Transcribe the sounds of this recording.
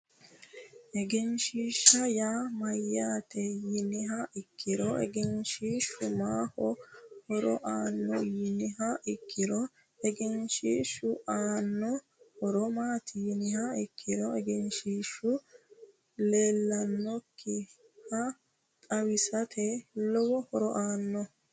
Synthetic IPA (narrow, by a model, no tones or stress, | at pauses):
ʔɛɡɛnʃiːʃːɐjaːmɐjːaːt̪ɛjɪnɪɦɐʔɪkːɪɾɔɛ̰ɡɛnʃiːʃʊmaːhɔhɔɾɔʔaːnːɔjɪnɪɦɐʔɪkʰːɪɾɔ | ɛɡɛnʃiːʃʊʔaːnːɔ | hɔɾɔmaːt̪ʰɪjɪnɪhɐɪkːɪɾɔɛɡɛnʃiːʃːʊ | le̞ːlːɐnːɔkʰːɪ | hɐ | t̪ʼɐwɪsɐt̪ʰɛlɔwɔhɔɾɔʔaːnːɔ